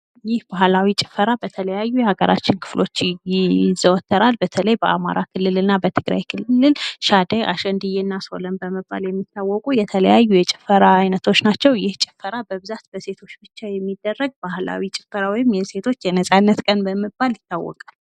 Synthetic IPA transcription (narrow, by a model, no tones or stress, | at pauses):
jɪhbahlawit͡ʃʼɪ̥fəɾabət̪ʰələjajːujɛhaɡə̰ɾʔa̰t͡ʃːɪnkʰɨ̥flo̞t͡ʃː | zəwɔt̪ʰːəɾalbət̪ʰələjbəʔama̰ɾʔakʰɨlːɨlɨnːabət̪ʰɨɡɾa̰jkʰɨllɨlʃad̪əjʔa̰ʃənd̪ɨjɛnːaso̞̰ləmbəməbːa̰ljɛmːit̪ʰːawːɔkʼujɛt̪ʰələ̰jajːujɛt͡ʃʼɪ̥fəɾaːjnət̪ʰo̞t͡ʃːnat͡ʃːɛwjɪht͡ʃʼɪ̥fːəɾabəβɨzat̪b̥əse̞t̪ʰo̞t͡ʃːbɨt͡ʃːajɛmːid̪ːərːəɡ̚bahla̰wit͡ʃʼɪfəɾawɔjɪmjɛse̞t̪ʰo̞t͡ʃːjɛnəsʼanːət̪kʼənbəmɨbːaljɪt̪ːawːɔ̰kʼal